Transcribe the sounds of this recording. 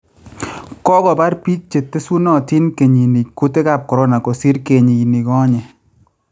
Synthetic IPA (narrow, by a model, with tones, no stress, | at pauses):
kɔ˦kɔ˨ba˦ɾpi˦k̚t͡ʃe˨tːe˦su˦nɔ˦˨ti˦nke˨ɲi˨ni˨kku˦te˦ka˦˨p̚kɔ˨ɾɔ˦na˨ko˨si˦ɾke˨ɲi˨ni˨kɔ˦ɲɛ˨